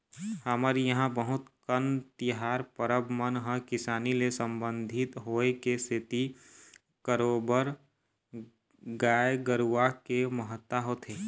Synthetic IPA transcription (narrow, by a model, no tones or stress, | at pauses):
həməɾijəɦãbəɦʊt̪kənt̪ɪɦaːɾpəɾəbmənɦə̃kɪsaːnilesə̃mbə̃nd̪ʱɪt̪ɦoːekesʰɪt̪i | kəɾoːbəɾ | ɡaːjɡəɾuʋakeməɦət̪ːaɦot̪ʰeː